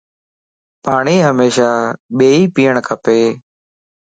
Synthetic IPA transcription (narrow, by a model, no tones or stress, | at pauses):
paːɳ̃iːɦəmeːʃaːɓeːiːpiːəɳ̃kʰəpeː